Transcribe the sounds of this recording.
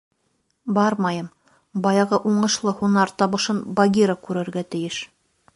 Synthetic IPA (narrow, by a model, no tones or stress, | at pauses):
bɑɾmɑjɤm | bɑjɑʁɤʔuɴɤ̆ʃlˠɤhunɑɾt̪ɑβɤ̆ʃɤnbɐɡʲiɾakʉɾɘ̆ɾɡæt̪ɘ̆jɘʃ